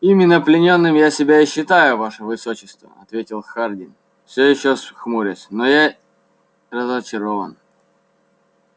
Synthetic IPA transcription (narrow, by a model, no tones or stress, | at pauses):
imʲɪnːəplʲɪnʲo̞nːɨmjasʲɪbʲaɪɕːɪt̪ajʊvaʂəvɨsot͡ɕːɪst̪və̰ɐ̰t̪vʲetʲɪlˠxardʲɪn | fsʲojɪɕːosxmuɾʲəsʲnoja | rəzət͡ɕɪɾo̞və̰n